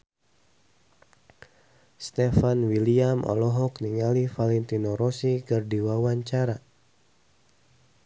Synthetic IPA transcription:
st̪efanwiliamʔɔ̰lɔɦɔkniŋalifalɛnt̪inoɾosikɨrdiwawaɲt͡ʃaɾa

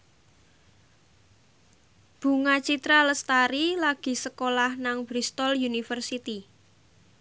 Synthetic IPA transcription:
b̥ṳŋat͡ʃit̪ɾaləst̪aɾilaɡ̥i̤səkolahnaŋbɾist̪ɔljunifərsit̪i

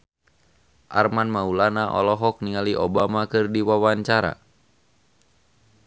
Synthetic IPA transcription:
ʔarmanmaulanaʔɔ̰lɔɦɔk̚niŋaliʔobamakɨrdiwawaɲt͡ʃaɾa̰

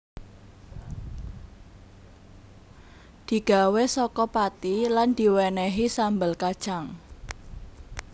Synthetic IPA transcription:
d̪̥i̤ɡ̥a̤wesɔkɔpat̪iland̪̥i̤wɛnɛɦisambəlkad̥ʒ̥aŋ

